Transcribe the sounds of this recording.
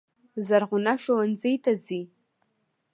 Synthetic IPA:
zarʁʷʊnaʃawand͡zejtʰad͡zi

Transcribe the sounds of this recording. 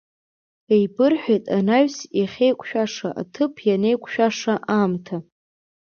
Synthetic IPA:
e̞jbɨrħʷᶣejtʼanaɥsjaχʲejkʷʰʼʃᶣaʂaʔa̰tʰɨpʰjane̞jkʷʰʼʃᶣaʂaʔamtʰa

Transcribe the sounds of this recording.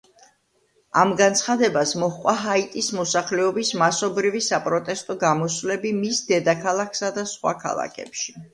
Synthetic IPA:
amɡant̪sʰχad̪ɛbasmɔχqʼwaɦait̪ʼismɔsaχlɛɔbismasɔbɾivisapʼɾɔt̪ʼɛst̪ʼɔɡamɔsvlɛbimisd̪ɛd̪akʰalˠakʰsad̪asχwa̰kʰa̰lˠa̰kʰɛ̰pʃi

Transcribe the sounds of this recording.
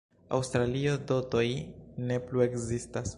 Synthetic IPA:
a̰wstɾalio̞do̞to̞jne̞plue̞kzistas

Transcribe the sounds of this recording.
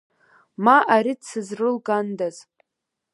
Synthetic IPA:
maʔaɾidt͡sʰɨzrɨlɡandaz

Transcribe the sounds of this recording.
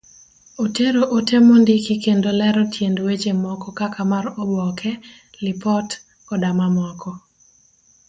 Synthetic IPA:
oteɾoʔotemondikikendolɛɾɔtʰjendwet͡ʃemɔkɔkakamaɾɔbɔkʰɛ | lɪpɔt | ɔdamamɔkɔ

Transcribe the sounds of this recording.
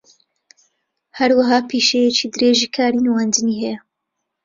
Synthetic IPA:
hɐɾwɐɦaːpʰiːʃejet͡ʃiːd̪ɨɾeːʒiːkʰaːɾiːnwand̪ɨniːɦɛjɐ

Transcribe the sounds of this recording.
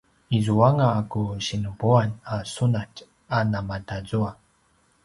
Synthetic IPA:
izuaŋakuɕinubuanasunat | anamadazua

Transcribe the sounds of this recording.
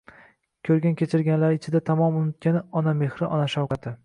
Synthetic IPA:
kʲʰɵɾɡʲankʲʰe̞t͡ʃʰɪɾɡʲanlaɾɪt͡ʃʰɪd̪at̪ʰamɒmʊnʊt̪̚kʲanɪɒname̞hɾɪʔɒnaʃawqɑt̪ɪ

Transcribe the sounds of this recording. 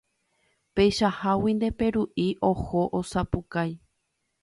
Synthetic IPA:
pejʃahawĩnd̪e̞pe̞ɾuʔiʔohoʔosapukaj

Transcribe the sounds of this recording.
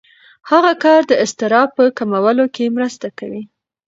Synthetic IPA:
haɣakɑɾd̪əɪst̪ɪɾɑpəkamawəlokemɾəst̪akawi

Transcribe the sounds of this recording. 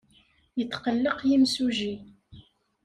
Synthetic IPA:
jət̪ːqəlːəqjimsuʒi

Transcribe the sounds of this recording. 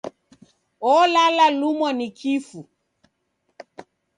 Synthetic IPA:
ɔlalalumɔnikʰifu

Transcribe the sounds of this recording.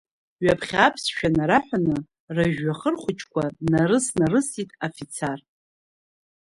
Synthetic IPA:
ɥapʰχʲapʰsʃᶣanaɾaħʷᶣanɨ | raʒᶣːaχərχʷʊt͡ʃʰʼkʷʰanaɾɨsnarɨsitʼafit͡sʰar

